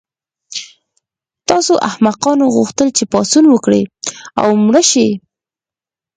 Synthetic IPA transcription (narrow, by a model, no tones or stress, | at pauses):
t̪ɑsoʔahmaqɑnoɣuxt̪əlt͡ʃepɑsunwəkɽḛa̰wmɽəʃe